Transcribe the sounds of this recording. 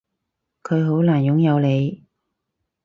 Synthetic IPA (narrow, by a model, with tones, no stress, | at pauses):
kʰɵ˨˧ɥɦo˨˥wlaː˨˩njʊ˨˥ŋjɐ˨˧wle˨˧j